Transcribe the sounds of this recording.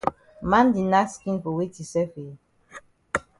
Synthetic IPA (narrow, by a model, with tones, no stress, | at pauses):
mã˦ndi˨na˦skĩ˦nfɔ˨wi˦ti˨sɛ˦fe˨